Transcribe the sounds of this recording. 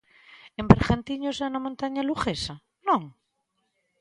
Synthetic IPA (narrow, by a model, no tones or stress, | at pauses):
embeɾɣant̪iɲosaunamõnt̪aɲaluxesa | nõŋ